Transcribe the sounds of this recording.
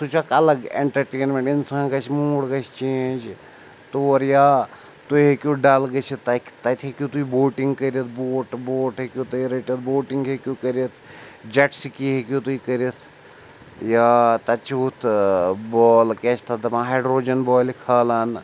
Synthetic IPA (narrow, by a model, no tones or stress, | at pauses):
t̪ut͡ʃɐkɐlɐɡḛɳʈɐɾʈeːnmẽɳʈinsãːɡɐt͡ʃʰimuːɽɡɐt͡ʃt͡ʃẽːnd͡ʒ | t̪oːɾjaː | t̪uɦekʲuːɖɐlɡɐt͡ʃʰit̪ɐkʰt̪ɐt̪ʰʲekʲut̪uiboːʈĩŋɡkɐɾɐt̪ʰboːʈboːʈɦekʲjuːt̪ɐiɾɐʈjit̪̚boːʈiŋɡɦekʲjuːkɐɾit̪ʰd͡ʒɐʈsikiɦekʲjut̪uikɐɾit̪ʰ | jaːt̪ɐt͡ʃʰiut̪ʰbɔːlkʲet͡ʃʰt̪ʰɐd̪ɐpãɦɐːɖɾoːd͡ʒɐnbɔːlikʰaːlan